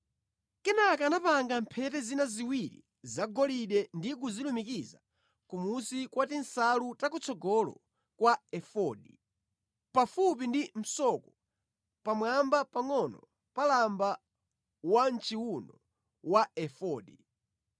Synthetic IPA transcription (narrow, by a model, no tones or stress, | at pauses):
kɛnakanapaŋɡampʰɛtɛzinaziwiɾḭ | zaɡɔliɗɛndik̬uzilumikiza̰ | kumusikwatinsalutak̬ut͡sʰɔɡɔlɔ̰ | kwaɛfɔɗi | pafup̬indim̩sɔkɔ | pamwambapaŋɔnɔ | palamba | want͡ʃiwunɔ | waɛfɔːɗi